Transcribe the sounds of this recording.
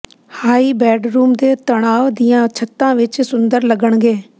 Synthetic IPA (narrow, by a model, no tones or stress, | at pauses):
haːiːbɛːɖɾuːmd̪eːt̪əɽaːʋd̪ɪjãːt͡ʃʰət̪ːãːʋɪt͡ʃsʊnd̪əɾləɡəɳɡeː